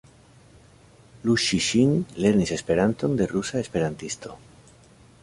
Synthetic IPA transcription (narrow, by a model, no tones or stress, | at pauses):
luʃiʃiŋle̞ɾnisespe̞ɾant̪o̞nd̪e̞rusae̞spe̞ɾant̪ist̪o̞̰